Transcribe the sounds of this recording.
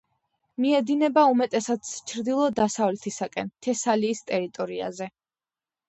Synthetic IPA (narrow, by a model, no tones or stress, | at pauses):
miɛd̪inɛbaumɛt̪ʼɛsat̪sʰt͡ʃʰɾd̪ilˠɔd̪asavlɛt̪ʰisakʼɛnt̪ʰɛsaliːst̪ʼɛɾit̪ʼɔɾia̰zɛ